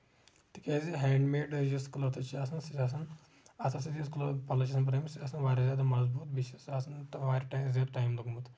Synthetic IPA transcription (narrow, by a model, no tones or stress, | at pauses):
t̪ikʲeziɦɛːɳɖmeːɖjuskulɐɾt̪ɐt͡ʃʰiaːsɐnsit͡ʃaːs̬ɐn | ɐsɐsɐt̪jiskulɐɾpɐlɐt͡ʃʰɐːsɐnp̬ɐɾɐmsit͡ʃasɐnʋaːɾʲizʲjaːd̪amɐzbuːt̪̚biʃɐsaːsɐntɐʋaːɾʲʈajmzʲjaːd̪ʈaːjmluɡmut̪